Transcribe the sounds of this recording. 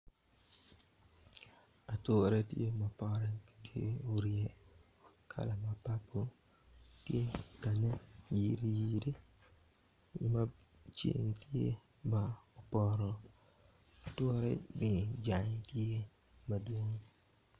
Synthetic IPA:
a˨tʊ˦˨ɾe˦ti˦e˦ma˨pɔ˦ɾɛ˦tʰi˦e˦u˦ɾi˦e˦ | kʰa̰˨la˨ma˨pa˦pːo˦ | ti˦e˦˨ka˨na˦jiː˦ɾi˦jiː˦de˦˨ | ma˦ | t͡ʃḛ˨ŋ˨ti˦ḛ˦ | ba˨ɔ˨pɔ˦ɾɔ˨ | a˨tʊ˦ɾɛ̰˦nɪ˨d͡ʒa˨ɲ˨˦ti˦e˦ | ma˨du˨˦o˦ŋ

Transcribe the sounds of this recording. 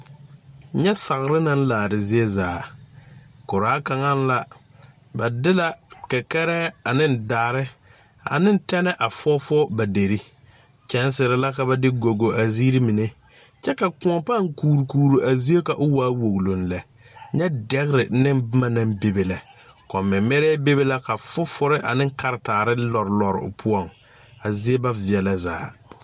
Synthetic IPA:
ɲɛ˦sa˨ɣɾɪ˦na˦n̩˦laː˨ɾɪ˨zɪ˦ɛ˦zaː˨˦˨ | kʊ˨ɾaː˨˦ka˨ŋa˦n˦la˦ | ba˨dɪ˦la˨ka˨kɛ˦ɾɛː˦a˨nɪ˦n˦daː˨ɾɪ˦ | a̰˨nɪ˦n˦tɛ˦nɛ˦ʔa˨fɔː˦fɔ˦ba˨de˨ɾi˦ | t͡ʃɛ˨˦n˦sɪ˨ɾɪ˨la˦ka˨ba˦dɪ˦ɡo˨ɡo˨ʔa˨ziː˦ɾi˦mi˨ne˦ | t͡ʃɛ˦ka˨kʊ̃˦ɔ˨pa˦˨ŋkuː˨ɾu˨kuː˨ɾu˨ʔa˨zi˦e˦ka˨ʔʊ˦waː˦wo˨ɣlo˨n˨lɛ˨ | ɲɛ˦dɛ˦ɣɪ˦ɾɪ˨nɪ˦nbma˦na˦mbe˨be˨la˨kɔ˨mɪ˨mːɛ˦ɾɛː˦be˦be˦la˦ka˨fʊ˦fʊ˦ɾɪ˦ʔa̰˨nɪ̃˦ŋ˦ka˦ɾɪ˨taː˨ɾɪ˦lɔ˨ɾlɔ˨ɾɪ̰˨ʊ̰˨pʰʊ˦ɔ˦˨ŋ | a˨zi˦e˦ba˦vɪ˨ɛ˨la˦zaː˨˦

